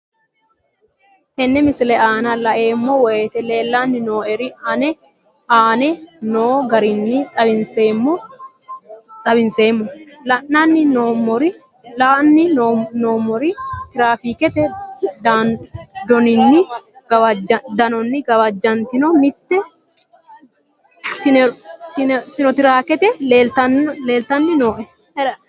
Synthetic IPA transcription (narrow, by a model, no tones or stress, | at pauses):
hɛnːɛmɪslɛaːnɐlɐʔe̞ːmːɔwɔjeːt̪ɛleːlːanːɪno̞ːɛɾɪɐnɛ | aːnɛnoːɡɐɾɪnːɪt̪ʼɐbɪnseːmːɔ | t̪ʼɐbɪnse̞ːmːɔlɐnːanːɪnoːmːɔɾɪ | laːnːɪnoːmːɔɾɪt̪ɪɾaːfiːkɛt̪ɛd̪ad̪ɔnɪnːɪɡɐɐd͡ʒd̪ɐnɔnːɪɡɐwɐd͡ʒːɐnt̪ɪnɔmɪt̪ːɛ | sɪɪsɪnɔt̪ɪɾaːkɛt̪ɛleːlt̪ɐnle̞ːlt̪ɐnːɪnoːʔɛ